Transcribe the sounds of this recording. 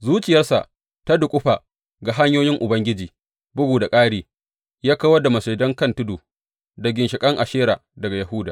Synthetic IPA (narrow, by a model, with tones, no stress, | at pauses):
zuː˦t͡ʃɪ˨jɐ˦rsa̰˨ʔ | ta˦dʊ˨kʷʼʊ˦ɸaː˨ | ɡa˨ɦa˦ɲjoː˦jɪ˦ŋʔʊ˨bɐ˦ŋɡʲɪ˦d͡ʒiː˨ | bʊ˦ɡuː˨da˨kʼaː˦ɽiː˨ | jaː˦ka˦wɐ˦da˨mɐ˨seː˨dɐ˦ŋkɐ˦ntʊ˦doː˨ | da˨ɡʲɪ˨nʃɪ˨kʼɐ˦ŋʔa˨ʃeː˦ɾaː˨dɐ˨ɡa˨jɐ˨ɦʊː˦daː˨